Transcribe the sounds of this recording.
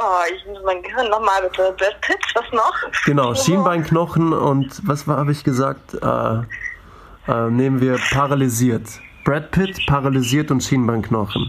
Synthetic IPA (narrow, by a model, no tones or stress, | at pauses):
ɔːɪçmʊsəmaɪnɡəhɪɐnːɔχmaːlmɪtəbʁɛt̚pʰɪtv̥asnɔχɡ̥ənaʊʃiːnbaɪnknɔχn̩ʊ̰ntvasvhaːbəɪçɡ̥əza̰ːk̚tʔɛ̰ː | ʔɛːneːmənviːɐpʰaʁaliziːɐt | b̥ʁɛt̚pʰɪtpʰaʁaliziːɐtʊntʃiːnbaɪnknɔχn̩